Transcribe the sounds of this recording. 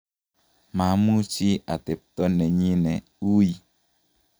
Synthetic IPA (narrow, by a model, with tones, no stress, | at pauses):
ma˨˦mu˦t͡ʃi˦a˨te˨p̚t̪ɔ˦nɛ˨ɲi˦nɛ˨ | u˦ji˨